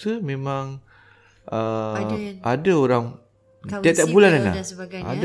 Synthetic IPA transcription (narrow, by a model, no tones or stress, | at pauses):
səmẽmãŋ | ʔə | adaoɾaŋ | t̪iat̪aʔbulanana̰a̰d